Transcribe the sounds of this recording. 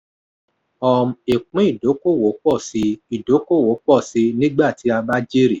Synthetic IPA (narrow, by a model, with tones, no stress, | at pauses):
ɔ˧m˨e˨k͡pĩ˦i˦˨do˨˦ko˦˨wo˨˦k͡pɔ˦˨si˧˦i˦˨do˨˦ko˦˨wo˨˦k͡pɔ˦˨si˨˧˦nĩ˦ɡ͡ba˦˨ti˨˦a˧ba˦d͡ʒe˦ɾi˦˨